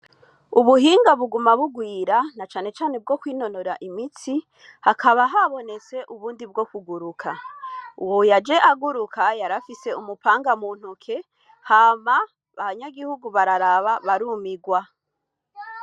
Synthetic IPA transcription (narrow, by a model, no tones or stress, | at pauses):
uβuɦiːŋɡaβuɡumaβuɡwiːɾanat͡ʃaːne̞t͡ʃaːne̞b̚ɡo̞kwiːno̞noɾaʔimit͡si | hakʰaβaɦaβo̞ne̞t͡se̞ʔuβuːndibɡo̞kuɡuɾukʰauwojad͡ʒe̞ʔaɡuɾukʰajaɾafise̞umupaːŋɡamuːn̥hukʰe̞ | haːma | βaβaɲaɡihuɡuβaɾaɾaβaβaɾumiɡwa